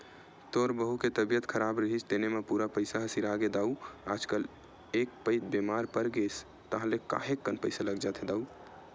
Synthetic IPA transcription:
t̪oɾbəɦuket̪əbijət̪kʰəɾabɾəɦit͡ʃʰt̪enemepuɾapəɪsaɦəsiɾaɡed̪auad͡ʒkəl | ek̚pəɪd̪bemaɾpəɾɡes | t̪əɦãleka̰ɦekːənpəɪsaləɡd͡ʒat̪ʰed̪au

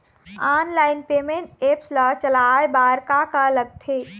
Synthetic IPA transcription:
aːnlaːɪnpeːmẽɳʈepslət͡ʃəlaebaɾkakaləɡ̚t̪ʰe

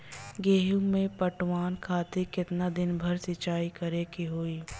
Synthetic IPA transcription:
ɡeːɦũmẽpɐʈʰwaːnkʰaːt̪ekɪt̪nad̪ɪnbʱɐɾsɪt͡ʃaːikɐɾeːkiɦoːiː

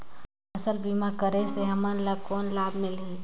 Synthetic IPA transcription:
ɐsəlbiːmakəɾeseɦɐmanlab̚koːnlaːbmɪli

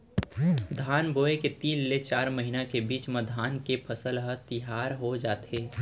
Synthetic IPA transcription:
d̪ʱaːnboːeket̪iːlːet͡ʃaːɾməɦinakebiːt͡ʃməd̪ʱaːnkepʰəsəlɦət̪ɪɦaːɾɦod͡ʒaːt̪eː

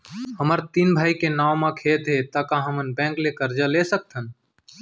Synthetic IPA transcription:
həməɾt̪iːnbʱaːikenaːwmãkʰet̪ɦet̪əkãɦəmənbɛ̃ːŋklekəɾd͡ʒalesək̚t̪ʰən

